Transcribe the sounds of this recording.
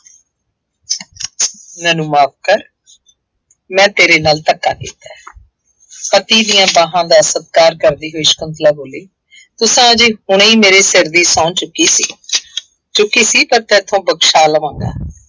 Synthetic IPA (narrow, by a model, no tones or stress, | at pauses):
mɛːnũːmaːp̚kəɾ | mɛ̃ːt̪eːɾeːnaːlt̪əkːa̰ːkḭːt̪ɛː | pət̪iːd̪ijãːbãːɦãːd̪aːsət̪̚kaːɾkəɾd̪iːɦoːiːʃkənt̪laːboːleː | t̪ʊsãːd͡ʒeːhʊɳ̃iːmeːɾeːsɪɾd̪iːsãːt͡ʃʊkiːsiː | t͡ʃʊkːiːsiːpəɾt̪ɛːt̪ʰːõːbəkʃaːləʋãːŋɡa̰ː